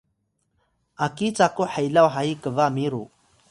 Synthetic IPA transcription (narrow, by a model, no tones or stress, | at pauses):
akit͡sakoħəjlawɦaikəʋamiɾu